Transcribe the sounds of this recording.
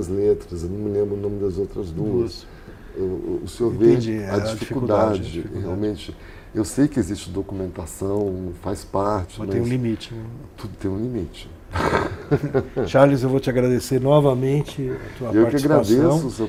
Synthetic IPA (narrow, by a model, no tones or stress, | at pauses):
ɐzlet̪ɾɐzewnɐ̃w̃mɪlẽmbɾʊnõmɪd̪ɐzowt̪ɾɐzd̪uɐs | ʊseoɾ̃veẽd͡ʒiɛɐd͡ʒid͡ʒfifikuud̪ad͡ʒɪheawmẽt͡ʃɪ | ewsejkɪezist͡ʃɪd̪okumẽnt̪asɐ̃w̃fajspaɾt͡ʃɪɐ̃mẽj̃ũlimit͡ʃɪt̪ud̪ʊt̪ẽj̃ũlimit͡ʃɪ̥ | ʃaɾlizewvowt͡ʃɪaɡɾad̪eseɾnɔvɐmẽt͡ʃɪɐt̪uɐewpaɾkɪaiɡɾad̪eɐsw̃ʊse